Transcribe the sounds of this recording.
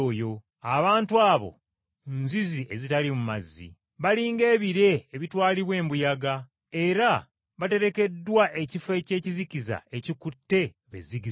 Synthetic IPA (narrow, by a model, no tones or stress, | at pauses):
jo̞ | aβaːntuaːβo̞̰ | nziziʔezitalimumazːḭ | βaliːŋɡe̞ːβiɾe̞ːβitwaːliβwe̞ːmbujaɡa | e̞ɾa | βate̞ɾe̞ke̞dːwaʔe̞cife̞ːce̞ːcizikiza̰e̞cikutːe̞ | βḛziɡi